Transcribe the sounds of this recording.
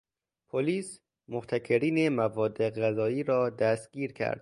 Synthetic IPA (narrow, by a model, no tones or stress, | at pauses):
pʰoliːs | moht̪ʰækʰeɾiːnemævɒːd̪ːeɣæzɒːiːɾɒːd̪æst̪̚ɡ̥iːɾkʰæ̰ɾd̪̥